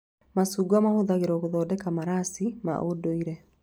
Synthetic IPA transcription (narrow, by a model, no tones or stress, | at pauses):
masuːɡuamahoðaɣeɾɔɣoðɔːdɛkamaɾasima̰ʔodoiɾɛ